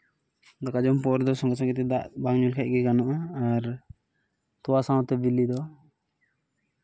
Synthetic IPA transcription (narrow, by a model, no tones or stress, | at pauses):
d̪akad͡ʒɔmpɔɾd̪ɔsɔŋɡɔsaŋɡit̪ɛd̪aʔbaŋɲulkʰɛc̚ˀɡɛɡanɔʔaaɾ | t̪ɔwasãwɔ̃t̪ɛbilid̪ɔ